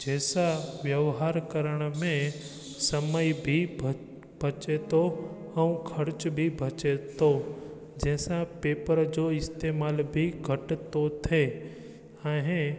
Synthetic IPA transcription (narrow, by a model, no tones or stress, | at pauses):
d͡ʒɛːsaʋjəʋɦaːɾkəɾəɽ̃mẽ | səməjbʱi | b̥ʱət͡ʃet̪o | ə̃ũkʰəɾt͡ʃbʱibʱət͡ʃet̪o | d͡ʒɛːsapeːpəɾd͡ʒoɪst̪eːmaːlbʱiɡʱəʈt̪ot̪ʰe | ãɦẽ